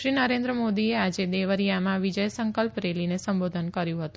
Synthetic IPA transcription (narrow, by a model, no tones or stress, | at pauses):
ʃɾinəɾend̪ɾəmod̪iead͡ʒed̪eʋəɾijamãʋid͡ʒəjsəŋkəlpɾelinesəmbod̪ʱənkəɾjũɦət̪ũ̥